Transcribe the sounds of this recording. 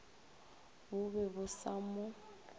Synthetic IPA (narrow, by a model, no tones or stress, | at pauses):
bʊβɛβʊsamʊ